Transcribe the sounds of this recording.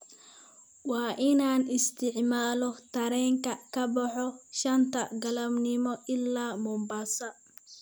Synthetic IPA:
wɑːʔɪnaːnɪst̪ʰɪʕmaːlɔt̪ʰɐɾɛːŋkʰɐkʰɐbɐħɔʃɐnt̪ʰɐɡɐlɐbnɪmɔʔɪlːaːmɔmbaːsɐ

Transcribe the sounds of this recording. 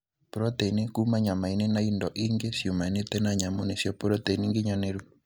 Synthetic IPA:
poɾɔtɛinekumaɲamainenaindɔʔiŋɡesjomaenet̪ɛnaɲamonesjɔpoɾɔtɛiniŋɡeɲaneɾwu

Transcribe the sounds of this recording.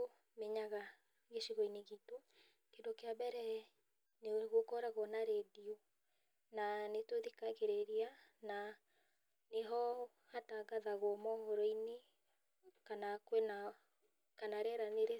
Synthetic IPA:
o | meɲaɣa | ɣeʃiɣɔineɣito | kendokeabɛɾɛ | neɣokɔɾaɣɔnaɾedio | nanetwoðikaɣeɾeɾiana | neɦɔ | hataɡaðaɣwɔmɔɣɔɾɔine | kanakwena | kanaɾɛɾaneɾe

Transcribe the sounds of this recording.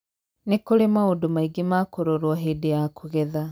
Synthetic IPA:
nekoɾemaondomaiɡemakoɾoɾwɔɦedejakʰoɣɛða

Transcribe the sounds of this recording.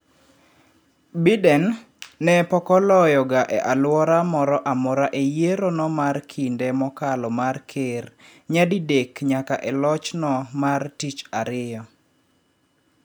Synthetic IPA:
bidɛnː | ɛpɔkɔlɔjɔɡaʔɛʔalwɔɾamɔɾɔʔamɔɾaʔejeɾonɔmarkʰindɛmɔkalɔmarkʰɪrɲadidekɲakaʔɛlɔt͡ʃnɔmartit͡ʃaɾɪjɔ

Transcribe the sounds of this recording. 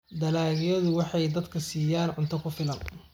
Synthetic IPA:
d̪ɐlaːɣjɐðʊwɑħɑjd̪ɐd̪kʰɐsiːjaːnʕʊnt̪ʰɐkʰʊfɪlɐn

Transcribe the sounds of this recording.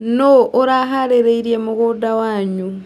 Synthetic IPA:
noʔoɾaɦaɾeɾeiɾjemuɣuːdawaːɲu

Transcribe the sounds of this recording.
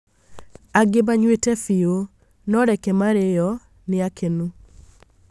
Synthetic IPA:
aɡebaɲwetɛfio | nɔɾɛkɛmaɾejɔ | nɪakʰenu

